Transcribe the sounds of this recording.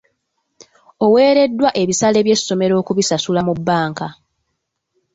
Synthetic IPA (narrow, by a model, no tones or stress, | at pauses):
o̞we̞ːɾe̞dːwaʔe̞βisale̞βje̞sːo̞me̞ɾo̞ːkuβisasulamubːaːŋka